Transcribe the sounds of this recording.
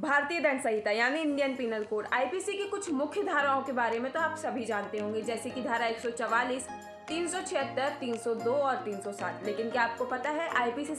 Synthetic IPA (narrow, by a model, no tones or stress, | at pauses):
bʱaːɾt̪ijəd̪ɐɳsɐɦit̪ajaːniɪ̃ɳɖijənpiːnəɾkoːɖa̰ːipiːsikekʊt͡ʃʰmʊkʰjəd̪ʱaːɾaõkebaːɾemẽt̪oaːpsɐbʱid͡ʒaːnt̪eɦõːŋɡed͡ʒɛːsekid̪ʱaːɾaeːksɔt͡ʃɔʋaːliːs | t̪iːnsɔt͡ʃʰeɦət̪ːəɾt̪iːnsɔd̪oːɔːɾt̪iːnsɔsa̰ːt̪ʰleːkɪnkjaːp̚kopɐt̪aɦɛʔaːipiːsi